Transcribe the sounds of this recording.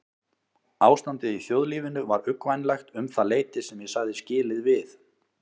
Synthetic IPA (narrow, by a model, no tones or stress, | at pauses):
aːwst̪ant̪ɪðiθjowðliːvɪnʏvaɾʏkvajnlajxt̪ʏmθaleːjt̪ɪsɛmjɛsaɣðɪscɪːlɪðvɪθ